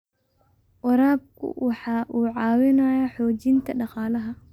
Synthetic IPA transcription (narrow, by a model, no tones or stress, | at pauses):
wɑɾaːb̚kʰʊ̰wʔɑħɑːʔuːʕɑːwɪnɐjaħɔːt͡ʃɪnt̪ʰɐɖɑqɑːlɐɦɐ